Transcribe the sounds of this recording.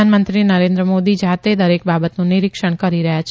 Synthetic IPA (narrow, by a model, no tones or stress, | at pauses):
anmənt̪ɾinəɾẽnd̪ɾəmod̪id͡ʒat̪ed̪əɾek̚babət̪nũnɪɾɪkʃəɳ̃kəɾiɾəɦjat͡ʃʰ